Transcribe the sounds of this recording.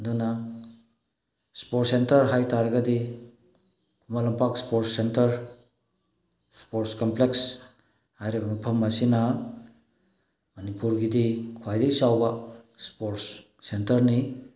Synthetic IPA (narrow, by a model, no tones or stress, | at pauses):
duna | spoɾtsentɐɾɦajtʰaɾɡɐdi | kʰumalɐmpakspoɾtsentɐɾ | spoɾtskompleks | hajɾebmipʰɐmːɐsina | mɐnipuɾɡidikʰwajdejsawbaspoɾsː | entɐɾni